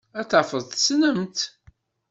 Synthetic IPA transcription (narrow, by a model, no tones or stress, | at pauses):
æθəfəðˤθsnəmt̪